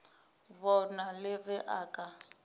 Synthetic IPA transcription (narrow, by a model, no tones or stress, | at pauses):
βɔnalɪβɛʔaːkʼa